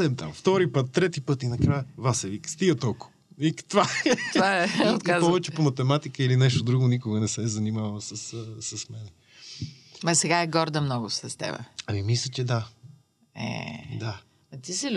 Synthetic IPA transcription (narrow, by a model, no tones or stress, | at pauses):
ɛmt̪a̰mft̪ɔɾipət̪ːɾɛt̪ipɤt̪inɐkɾajəvasɛvikst̪iɡət̪ɔlˠko̥ | vikt̪vat̪vaɛot̪azpɔvɛt͡ʃɛpomɐt̪ɛmat̪ikəilinɛʃt̪od̪ɾuɡonikoɡənɛsɛzɐnimavəlˠsəssəsmɛnɛ | mɐsɛɡaɛɡɔɾd̪əmnɔɡʊsɐst̪ɛ̰bɛ̰ɐmimislʲət͡ʃɛd̪a | ɛ̰d̪a | ɐt̪isil